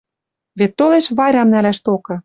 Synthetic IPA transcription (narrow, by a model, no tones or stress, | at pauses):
βet̪ːoleʃβɑjɾɑmnælæʃt̪okɤ̆